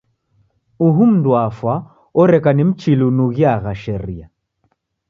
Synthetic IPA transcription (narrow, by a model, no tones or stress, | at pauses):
uɦum̩dwafwa | ɔɾɛkanim̩t͡ʃilunuɣjaɣaʃɛɾia